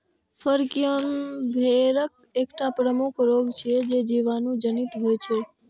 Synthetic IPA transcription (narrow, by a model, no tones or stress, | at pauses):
fəɾkionbʱeɾək̚ | ekʈapɾəmukʰɾoɡt͡ʃʰed͡ʒed͡ʒiʋanũd͡ʒənit̪ɦojt͡ʃʰe